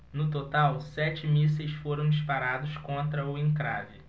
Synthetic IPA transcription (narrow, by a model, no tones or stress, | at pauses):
nʊt̪ot̪awsɛt͡ʃɪmis̬ejsfoɾɐ̃w̃d͡ʒispaɾad̪ʊskõnt̪ɾɐʊẽŋkɾavɪ